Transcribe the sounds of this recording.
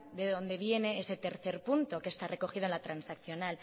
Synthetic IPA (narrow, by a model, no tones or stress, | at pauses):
d̪e̞ðõ̞nd̪e̞βje̞ne̞ese̞t̪e̞ɾθe̞ɾpunt̪o̞kest̪are̞ko̞xiðoenlat̪ɾansakθjonal